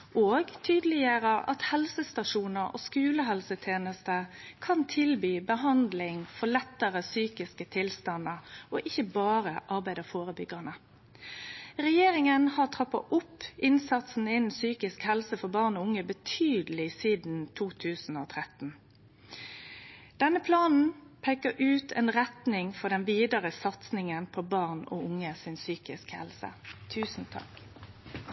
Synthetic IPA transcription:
oːɡt̪ʰyːd̪əlɪjəɾəʔɑ̰t̪hɛlsəst̪ɑʂuːnəɾɔ̰ːskʉːləɦɛlsət̪ʰeːnəst̪əkʰɑnt̪ʰɪlbyːbəɦɑnd̪lɪŋfɔlɛt̪ːəʁəsyːkɪskət̪ʰɪlst̪ɑnəɔʔɪçːəbɑːɾəʔɑɾbæɪd̪əfoːʁəbʏɡənə | ʁɛjeːɾɪŋənhɑʁt̪ʰʁɑpːɑ̰ʔʊpːɪnsɑt̪sn̩ɪnsyːkɪskhɛlsəfɔbɑːʁnɔːʊŋəbət̪ʰyːd̪lɪsiːd̪n̩t̪ʰuːt̪ʰʉːsn̩oːt̪ʰʁɛt̪n̩ | d̪̥ɛnːəpʰlɑːnn̩pʰɛkəɾʔʉːt̪ʰɛ̰nʁɛt̪nɪŋfɔʁɖ̪ɛnʋiːd̪əʁəsɑt̪snɪŋənpʰɔbɑʁnɔ̰ʊŋːəsɪnsyːkɪskhɛ̰lsə̰t̪ʰʉːsn̩t̪ʰɑ̰k

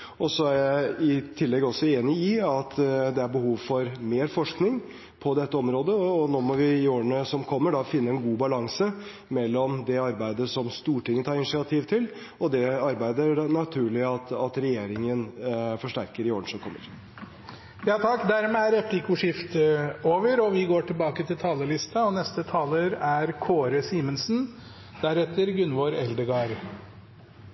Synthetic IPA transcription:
ɔsɔæɾjæɪt̪ʰɪlːɛɡɔsːɔeːnɪɪɑt̪d̪ɛæɾbəɦuːʋfɔɾmeːɾfɔʂknɪŋ | pʰɔd̪ɛt̪ːəɔmɾoːd̪əɔɔnoːmɔʋɪɪoːɾəɳəsɔmkʰɔmːəɖɑfɪnːəɛnɡuːbɑlɑŋsə | mɛlːɔmd̪ɛɑɾbæɪd̪əsɔmst̪uːʈɪŋːət̪ʰɑːɾɪnɪʂɪɑt̪ʰiːʋt̪ʰɪl | ɔd̪ɛɑɾbæɪd̪əɾnɑt̪ʰʉːɭɪɑt̪ɑt̪ɾɛjeːɾɪŋənfɔʂʈæɾkəɾɪoːənʂɔkʰɔmːə̰ɾ | jɑːt̪ʰɑkːd̪æɾmeːæɾɛpʰlɪkʊʂɪft̪oːʋəɾɔʋɪɡoːʈɪlbɑːkət̪ʰɪlt̪ʰɑːləlɪst̪ɑɔnɛst̪ət̪ʰɑːləɾæɾkʰoːɾəsiːmənsn̩ | d̪̥æɾɛt̪ːəɾɡʉnʋoːɾɛld̪əɡɑːɾ

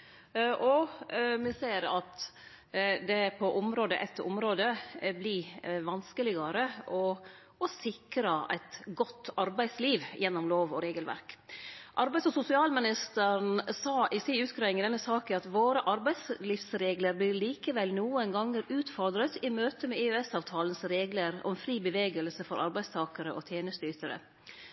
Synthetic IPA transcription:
ʔɔmɛseːɾɑt̪ | d̪ɛpʰɔʔʊmɾoːd̪ə̰ʔɛt̪ʰːɔ̰mɾoːd̪əblɪʋɑnskəlɪɡɑɾəʔɔ | ɔsɪkɾɑæ̰ɪt̪ɡɔt̪ːɑɾbæɪsliːʋjɛnːɔmloːʋɔɾeːɡəlʋæ̰ɾkʔɑɾbæɪsɔsʊsɪɑːlmɪnɪst̪əɾnsɑːʔɪsiːʉːt̪kɾɑːɪŋɪd̪ɛnːəsɑːkəɑt̪ʋoːɾəʔɑɾbæɪsliːfsɾeːɡləɾbliliːkəʋɛlnuːənɡɑŋːəɾʉːt̪fɔɾd̪ɾət̪ɪmøːt̪əmɛɛøɛsɑːʋt̪ʰɑːlən̩sɾeːɡləɾɔ̰ɛnfɾiːbəʋeːɡəlsəfɔɾʔɑ̰ɾbæɪst̪ʰɑːkəɾəʔɔ̰t̪ʰjeːnəst̪yːt̪əɾə̰

